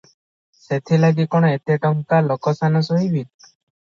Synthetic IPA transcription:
set̪ʰilaɡikɔɽ̃ɔet̪jaʈɔmkalɔkɔsanɔsɔɦibʱit̪̚

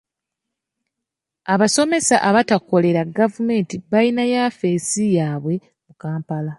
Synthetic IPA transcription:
aβaso̞me̞saʔaβatako̞le̞ɾaɡavume̞ːntiβainajafeːsijaːβwe̞ | mukaːmpala

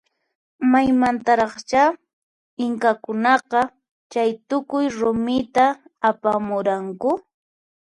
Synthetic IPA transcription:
majmant̪aɾɑχt͡ʃa | ɪŋkakʊnɑqɑ | t͡ʃajt̪ʊkʊjɾʊmɪt̪aːpamʊɾaŋkʊ

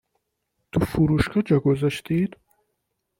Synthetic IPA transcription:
t̪ʰufuɾuʃkʰɑd͡ʒɑɡozaʃt̪id̪̥

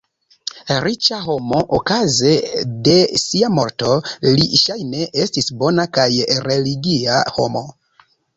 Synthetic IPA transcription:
ɾit͡ʃaɦo̞mo̞ʔokaze̞de̞siamo̞ɾto̞liʃajne̞ʔe̞stisbo̞nakajɾe̞liɡiaho̞̰mo̞

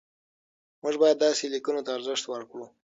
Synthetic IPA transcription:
məʐbɑjad̪ːɑselikunot̪aːɾzəʂt̪wəɾkɽu

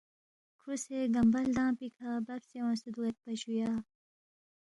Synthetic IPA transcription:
kʰuseɡɐmbɐld̪ãːpikʰaːbɐɾsewõsud̪uet̪̚pɐɕujaː

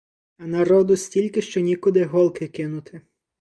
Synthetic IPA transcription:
ɐnɐɾɔd̪ʊsʲtʲilʲkɪʃt͡ʃɔnʲikʊd̪ɪɦɔlˠkɪkɪnʊt̪ʰɪ

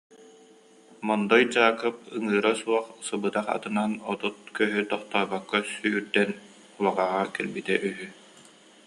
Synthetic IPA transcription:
mɔnd̪ɔjd͡ʑaːkɯp̚ɯŋɯːɾasuɔχsɯbɯt̪aχa̰t̪ɯnanɔt̪ut̪̚kœɦyt̪ɔχt̪aːbakːasyːɾd̪ɛn | ulˠaʁaːʁakɛlbit̪ɛʔyɦy

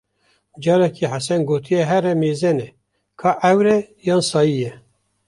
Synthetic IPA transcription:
d͡ʒɑːɾɛkʰiħasɛnɡoːt̪ʰijɛɦɛɾɛmeːzɛnɛ | kʰɑːʔɛwɾɛjɑːnsɑːjijɛ

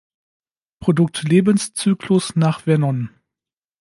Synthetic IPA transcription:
pʁ̥odʊk̚tleːbənst͡syːkʰlʊsnaːχv̥ɛɐnɔn

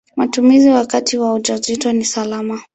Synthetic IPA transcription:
matumiziwakatiwaud͡ʒazitɔnisalama

